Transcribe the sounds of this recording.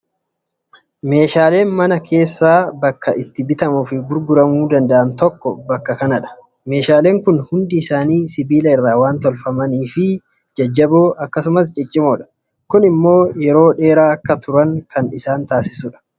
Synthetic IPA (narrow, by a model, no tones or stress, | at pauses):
me̞ːʃaːle̞ːnmɐnɐkʰe̞ːsːaːbɐkːɐʔɪt̪ːɪbɪt̪ɐmʊfɪɡʊɾɡʊɾɐmuːd̪ɐnd̪ɐʔɐnt̪ɔkːɔbɐkːɐkɐnɐᶑɐ̥ | me̞ːʃaːle̞ːŋkʊnhʊnd̪ɪɪsaːniːsɪbiːlɐɪrːaːwaːnt̪ɔlfɐmɐniːfɪ | d͡ʒɐd͡ʒːɐboːʔɐkːɐsʊmɐs̬t͡ʃʼɪt͡ʃʼːɪmɔᶑɐ̥ | kʊnɪmːo̞ːjɛɾo̞ːᶑe̞ːɾaːɐkːɐt̪ʊɾɐŋkʰɐnɪsaːnt̪aːsɪsuᶑɐ̥